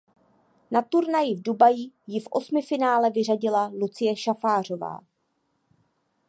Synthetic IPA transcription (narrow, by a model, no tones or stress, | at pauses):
nat̪uɾnajɪvdubajijɪfʔo̞smɪfɪnaːlɛvɪr̝aɟɪlalut͡sɪjɛʃafaːr̝o̞va̰ː